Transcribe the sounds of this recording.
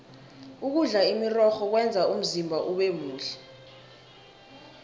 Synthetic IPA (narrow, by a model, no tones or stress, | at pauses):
uk̬uɮaimirɔxɔk̬wɛnd͡zʱaum̩zimbʱaʔuɓemuːɬɛ